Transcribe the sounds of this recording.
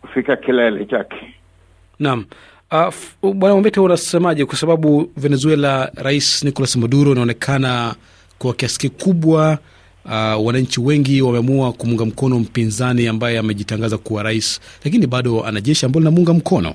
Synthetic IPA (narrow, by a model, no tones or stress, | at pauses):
ku̥fikakilaɛlɛt͡ʃakɛ̥ | nam̩ | aɓwanamambɛtaunasɛmaʄɛkwasaɓaɓuvɛnɛzuɛlaɾaisnikɔlasimaɗuɾɔinaɔnɛkʰana | kuakiasi̥kikuɓwa | wanaɲt͡ʃiwɛŋɡiwamɛamuakumuŋɡam̩kɔnɔm̩pinzaniambajɛamɛʄitaŋɡazakuwaɾaislakiniɓaɗɔa̰naʄɛʃiambajɔlinamuŋɡam̩kʰɔnɔ̰